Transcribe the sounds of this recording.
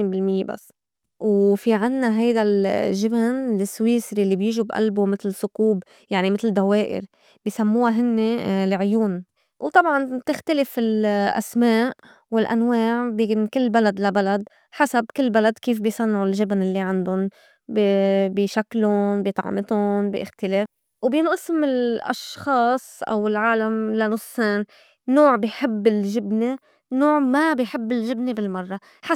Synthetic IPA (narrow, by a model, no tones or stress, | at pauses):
iːnbɪlmɪjːḛba̰sː | wfiʕɪnːaɦajd̪alʒɪbnlɪsːwiːsɾilːibjɪːʒubʔa̰lbumɪt̪lɪsʊquːb | jaʕnimɪt̪ld̪aweːʔɪ̰ɾ | b̥ijsamːuːaɦɪnːelʕʊjuːn | wt̪ˤɑbʕɑnt̪ɪxt̪alɪfɪlʔa̰smaːʔ | wɪlʔa̰nwaːʕbinkɪlːbalad̪labalad̪ | ħasabkɪlːbalad̪kiːfbijsˤɑnːʕʊlʒɪbnɪlːiʕand̪ʊn | bbiʃaklʊnbit̪ˤɑ̰ʕmɪt̪ʊnbḭʔɪxt̪ɪleːf | wbjɪnʔɪsmɪlʔɑ̰ʃxɑːsˤʔa̰wɪlʕaːlamlanʊsˤːeːn | noːʕbɪjħɪbːɪlʒɪbni | noːʕmabɪjħɪbːɪlʒɪbnibɪlmɑrˤːɑ | ħa